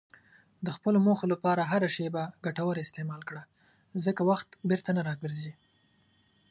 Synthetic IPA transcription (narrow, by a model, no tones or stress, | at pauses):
d̪əxpəlomoxolapɑɾaɦaɾaʃebaɡaʈawəɾɪst̪emɑlkɽa | zəkawaxt̪beɾt̪anaɾɑɡəɾzi